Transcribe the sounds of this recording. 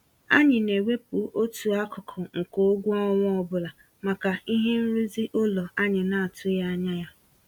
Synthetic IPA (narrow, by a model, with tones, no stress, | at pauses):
a̰˦ɲɪ˨ne˨wʷe˦pu˨˦ʔo˦tu˨a˦kʊ˨kʰɔ˨ŋ̩˨ko˦o˦ɡʷʊ˦ɔ˦ŋʷʊ˦ɔ˦bʊ˦la˨ | ma˨ka˨i˦ɦe˦n̩˦ɾi˦zi˦ʔʊ˦lɔ˨a˦ɲɪ˨na˨a˨tʰʊ˦ja˦ɲa˦ja˦